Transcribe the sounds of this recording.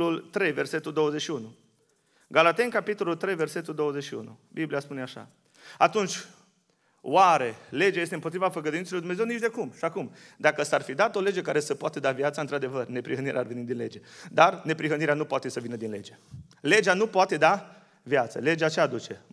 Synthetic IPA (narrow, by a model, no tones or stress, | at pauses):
ult̪ɾe̞jve̞rse̞t̪uld̪o̞wəzet͡ʃʃiunu | ɡalat̪e̞ŋkapit̪o̞lult̪ɾejve̞rse̞t̪uld̪o̞wəzet͡ʃʃiṵnṵbiblijaspuneaʃa̰ | at̪unt͡ʃʲ | oaɾe̞le̞d͡ʒeajes̬t̪eɨmpot̪ɾivafəɡəd̪uinselojd̪unzewnit͡ʃd̪e̞kumʃiakumd̪akəsəarfid̪at̪o̞le̞d͡ʒe̞kaɾe̞səpoat̪əd̪avjat̪saɨnt̪ɾad̪e̞vərne̞pɾiɦəniɾḛʔarve̞nit̪d̪inle̞̰d͡ʒe̞d̪arne̞pɾiɦəniɾeanupoat̪e̞səvinəd̪inled͡ʒe | le̞d͡ʒeanupoat̪e̞d̪a | vjat̪sə̰le̞d͡ʒeat͡ʃead̪ut͡ʃe̞